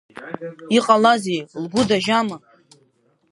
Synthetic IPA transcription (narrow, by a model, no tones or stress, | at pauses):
iqʼalazejlɡʷʊdaʒama